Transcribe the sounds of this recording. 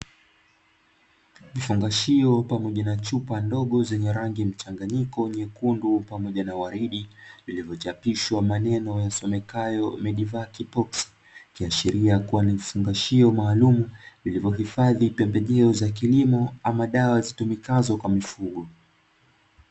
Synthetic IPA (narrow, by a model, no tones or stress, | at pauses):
vifuŋɡaʃiɔpamɔʄanat͡ʃupandɔɠɔzɛɲɛɾaŋɡim̩t͡ʃaŋɡaɲikɔɲɛkundupamɔʄanawaɾiɗivilivjɔt͡ʃapiʃwamanɛnɔjasɔmɛkajɔmɛɗivakipɔksi̥ | kiaʃiɾiakuwanivifuŋɡaʃiɔmaːlumuvilivɔɦifaðipɛmbɛʄɛɔzak̬ilimɔamaɗawazitumikazɔkwamifuɠɔ